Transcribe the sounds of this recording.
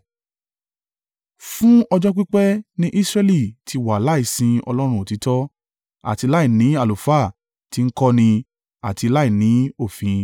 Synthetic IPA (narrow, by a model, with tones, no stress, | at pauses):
fũ˦ɔ˧d͡ʒɔ˦k͡pi˦k͡pɛ˦nĩ˦ʔi˦sɾɛ˧li˦˨ti˧wa˨la˦i˦˨sĩ˧ɔ̰˧lɔ˦ɾ̃ũ˧o˨ti˨˦tɔ˦ | a̰˨ti˧la˦i˦˨nĩ˨˦a˦˨lo˨fa˦˨ | ti˨˧ŋ̩˦kɔ˦nĩ˧ | a˨ti˧la˦i˦˨nĩ˨˦o˦˨fĩ˨